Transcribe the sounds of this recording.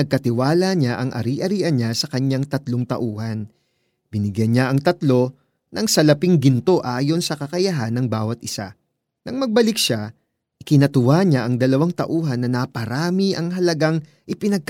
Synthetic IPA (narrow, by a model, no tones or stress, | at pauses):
ɐɡ̚kɐt̪ɪwaːlɐɲaʔɐŋʔɐ̰ɾiʔɐɾiːʔɐnɲasɐkɐɲaŋt̪ɐt̪loŋt̪ɐ̰ʔuːhɐn | b̥ɪnɪɡjɐnɲaʔɐŋt̪ɐt̪lo̞ | nɐŋsɐlɐpɪŋɡɪnt̪o̞ʔaːjo̞nsɐkɐkɐjɐɦanːɐŋbaːwɐt̪̚ʔɪsa̰ | nɐŋmɐɡ̚bɐlɪk̚ʃa | ʔɪkɪnɐt̪ʊwaɲaʔɐŋd̪ɐlɐwaŋt̪ɐ̰ʔuːɦɐnːɐnɐpɐɾaːmiʔɐŋɦɐlɐɡaŋ | ʔɪpɪnɐɡ̚k